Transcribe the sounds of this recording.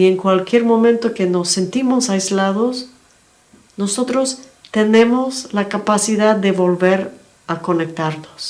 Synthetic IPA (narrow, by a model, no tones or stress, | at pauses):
ieŋkwalkje̞ɾmõ̞mẽ̞nt̪o̞keno̞sːe̞nt̪imo̞sajzlaðo̞s | no̞so̞t̪ɾo̞s | t̪e̞nẽ̞mo̞slakapasiðaððe̞βo̞lβe̞ɾ | ako̞ne̞k̚t̪aɾnos